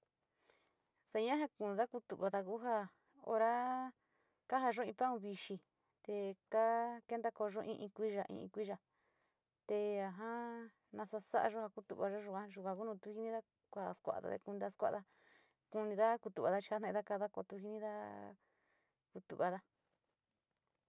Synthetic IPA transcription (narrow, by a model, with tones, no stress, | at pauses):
sa˧ɲã˦ɦa˧kũ˧˨˧ða˦ku˧t̪ṵ˨βa˧ða˧ku˦ɦa˦ | o̰˧ɾa˦ | ka˦ɦa˧ʒõ˦ĩ˧pã˦ũ˧βi˧ʃi˧ | t̪e˧ka˦ke˦nd̪a˦ko˧ʒõ˦ʔĩ˧ʔĩ˧kʷi˦ʒa˧ʔḭ̃˧ḭ̃˧kʷi˦ʒa˨ | t̪e˧a˧ɦã˦ | nã˧sa˧sa˦ʔa̰˧ʒo˦ha˧ku˦t̪ṵ˧˨βa˧ʒo˦ʒu˧kã˧ʒu˧kʷã˧ku˦nũ˧t̪u˧˦hi˧˦nĩ˦ða˦ | kʷa˧˨skʷa̰˧˨ða̰˧t̪ḛ˧ku˧nĩ˧ða˧˦skʷa̰˦˧ða˧ | ku˧nĩ˧ða˦ku˧t̪u˨βa˧ða˦t͡ʃi̥˧ha˦nẽ˧ða˦ka˧ða˦ko̰˧t̪u˧hi˧nĩ˦ða˦ | ku˧t̪ṵ˨βa˧ða˦